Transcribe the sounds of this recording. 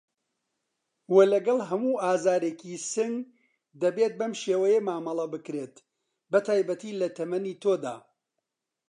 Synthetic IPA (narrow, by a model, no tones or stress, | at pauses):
welɐɡɐlˠɦɐmuːʔaːzaːɾekisɨŋɡ | d̪ɐbeːt̪̚bɐmʃeːwɐjemaːmɐlˠɐbɨkɾeːt̪ | bɐt̪ʰaːjbɐt̪iːlɐt̪ʰɐmɐniːt̪ʰoːd̪a̰ː